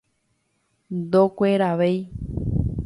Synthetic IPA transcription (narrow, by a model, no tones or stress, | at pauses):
d̪okʷeɾaʋej